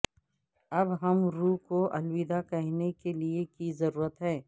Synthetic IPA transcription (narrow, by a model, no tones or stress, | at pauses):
ɐbɦɐmɾuːkoʔɐlwiːd̪akɐɦnekeliekizɐɾuːɾət̪ɦɛː